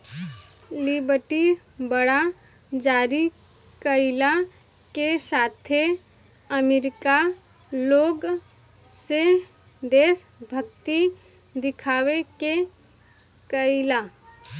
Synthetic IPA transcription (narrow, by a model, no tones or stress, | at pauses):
libəʈi | bəɽa | d͡ʒaːɾi | kəɪla | kesaːt̪ʰe | əmeɾɪka | loːɡ | se | d̪eːs | bʱəkt̪i | d̪ɪkʰaːweke | kəɪla